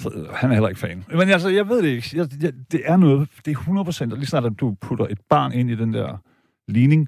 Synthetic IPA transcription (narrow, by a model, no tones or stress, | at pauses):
hænæɐhel̰ɐe̝ɡ̥fɛ̰ːnmenæls̬əjɑ̈ɪʋe̝ð̞̰ˠd̥eeɡ̥jɑjd̥e̝ʔæɐnɔ̽ːð̞̩ˠd̥e̝æɐhunɐð̩ˠpʰʁo̥sen̰d̥lisnɑ̰̈ːd̥æ̥d̥upʰud̥ɐʔe̝d̥̚b̥ɑ̈ːne̝n̰id̥end̥æɐ̰ | liːne̝ŋ